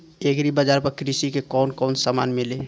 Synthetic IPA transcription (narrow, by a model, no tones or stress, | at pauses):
ekɾibəd͡ʒaɾpəɾkɾisikekɔnkɔʊnsamanmile